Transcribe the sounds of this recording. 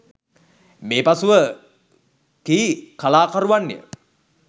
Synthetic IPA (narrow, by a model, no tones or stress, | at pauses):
meːpasuʋə | kiːkalaːkaɾuʋanːḛə̰